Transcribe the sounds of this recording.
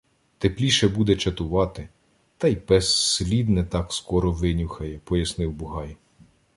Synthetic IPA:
t̪eplʲiʃɛbud̪ɛt͡ʃɐt̪ʊʋɑt̪ɪ | t̪ɑjpɛsslʲid̪nɛt̪ɑkskɔɾɔʋɪnʲʊxɐjɛpɔjɐsnɪwbʊɦɑj

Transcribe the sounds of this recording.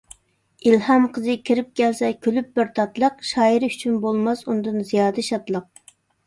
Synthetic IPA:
ilhɑmqʰəzɨkʲʰiɾɪp̚kʲʰɛlsɛkʲʰølyp̚bɪɾt̪ʰɑt̪lˠəqʃɑːiɾyt͡ʃʰynbolˠmɑsund̪ɨnzijɑːd̪ɨʃɑt̪lˠəq̚

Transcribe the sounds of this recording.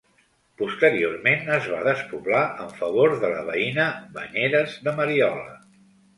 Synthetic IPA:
pust̪əɾiormenəzβa̰ðəspuβlaʔəɱfəβ̞oɾðələβəinəβə̰ɲeɾəzðəməɾiɔlə̰

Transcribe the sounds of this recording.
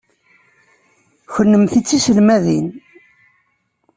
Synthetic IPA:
çənːəmθit͡sːisəlmæðin

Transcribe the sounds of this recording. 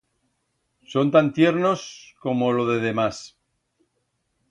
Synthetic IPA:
so̞nt̪ant̪je̞ɾno̞sko̞mo̞lo̞ðe̞ð̞e̞mas

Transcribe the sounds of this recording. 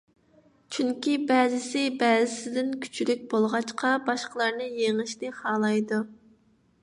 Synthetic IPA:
t͡ʃʰyŋkʲibɛːzɪsɪbɛːzɪsɪd̪ɪnkʲʰy̥t͡ʃʰylyk̚ʲbolˠʁɑt͡ʃqʰɑbɑʃqəlˠɑɾnɨjeŋɨʃnɪχɑːlˠɑjd̪u

